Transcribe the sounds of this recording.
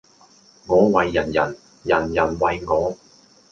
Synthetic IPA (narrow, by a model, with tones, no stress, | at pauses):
ŋɔː˨˧wɐ˨jːɐ˨˩njɐ˨˩n | jɐ˨˩njɐ˨˩nwɐ˨jŋɔː˨˥